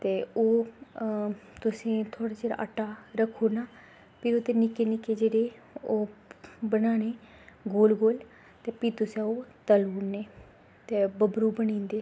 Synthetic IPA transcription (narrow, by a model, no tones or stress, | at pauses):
t̪eːoː | t̪ʊsẽːt̪ʰoːɽaːd͡ʒeːɾa̰ːʔə̰ʈaːɾəkʰːoːnaː | pioːt̪enɪkeːnɪkeːd͡ʒeːɾeːoːbənaːneː | ɡoːlɡoːl | t̪eːpiːt̪ʊsãoːt̪əluːneː | t̪eːbəbɾuːbənĩːnd̪eː